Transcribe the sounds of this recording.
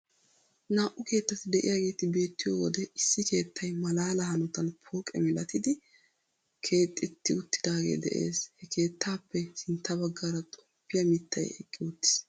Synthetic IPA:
naːʔʊke̞ːt̪ːɐt̪ɪd̪ɛʔɪ̰jaːɡe̞ːt̪ɪbe̞ːt̪ːɪjɔwɔd̪ɛɪsːɪke̞ːt̪ʰːɐjmɐlaːlɐhɐnɔt̪ɐnpʰoːkʼɛ̰mɪlɐt̪ɪd̪ɪ | kʰe̞ːt̪ʼːɪt̪ːɪʊt̪ːɪd̪aːɡḛːd̪ɛ̰ʔe̞̰ːshɛkʰe̞ːt̪ʰːaːpːɛsɪnt̪ːɐbɐɡːaɾɐt̪ʼɔpːɪjɐmɪt̪ʰːɐ̰jɛ̰kʼːɪʊt̪ːɪ̥s

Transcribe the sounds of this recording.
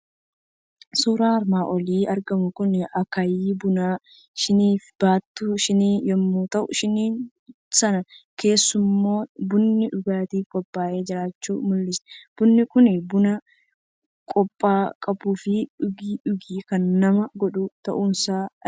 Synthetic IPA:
suːɾaːɐɾmaːʔɔliːɐɾɡɐmʊkʊnɪɐkajiːbʊnaː | ʃɪniːfb̥aːt̪ːʊʃɪniːnjɛmːoːt̪ɐʔʊ̰ʃɪniːn | sɐnɐke̞ːsːʊmːo̞ːbʊnːɪᶑʊɡaːt̪iːfkʼɔpʼːaːʔe̞ːd͡ʒɪɾaːt͡ʃːuːmʊlːɪsɛ̥b̥ʊnːɪkʊnɪbʊnɐ | kʼɔpʼːaːkʼɐbuːfɪᶑʊɡiːᶑʊɡiːkɐnːɐmɐɡɔɗʊt̪ɐʔuːnsaː

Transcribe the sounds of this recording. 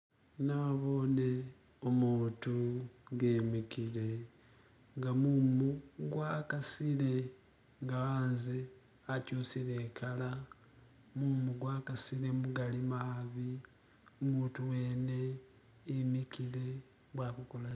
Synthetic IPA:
naβo̞ne̞ | omuːtuɡemikile̞ | ŋɡamumuɡwakasile̞ | ŋɡaaːnze | acusile̞ːkʰala | muːmuɡwaːkasile̞muɡalimaβi | omuːtuwe̞ːne̞ː | mikile̞ | βwaːkukola

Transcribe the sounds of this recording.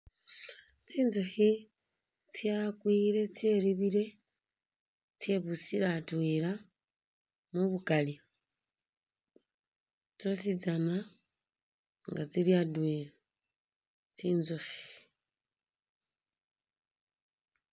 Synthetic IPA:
t͡siːnzoxi | t͡sjakwiːɾe̞t͡sjeɾiβiɾe̞ | t͡sje̞βusiɾatweɾa | muβukali | t͡sosid͡zana | ŋɡat͡siliadweɾa | t͡siːnzofi̥

